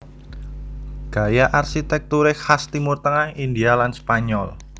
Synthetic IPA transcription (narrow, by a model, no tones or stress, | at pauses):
ɡ̥a̤jaʔarsit̪ɛk̚t̪uɾɪkhast̪imʊrt̪əŋahindialanspaɲɔl